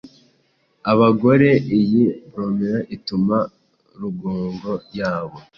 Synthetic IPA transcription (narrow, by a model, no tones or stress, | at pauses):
aβaɡo̞ɾe̞ʔijiβɾoːmeɾaʔituma | ɾuɡoːŋɡo̞jaːβo̞